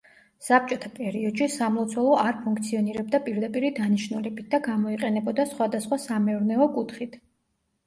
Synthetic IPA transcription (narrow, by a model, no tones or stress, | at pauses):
sap̚t͡ʃʼɔt̪ʰapʼɛɾiɔd̪̥ʃisamlˠɔt̪sʰwɛlˠɔʔaɾpʰuŋkʰʼt̪sʰiɔniɾɛb̚d̪apʼiɾd̪apʼiɾid̪aniʃnulɛbit̪̚ʰd̪aɡamɔiqʼɛnɛbɔd̪asχwad̪asχwasamɛuɾnɛɔkʼut̪ʰχit̪ʰ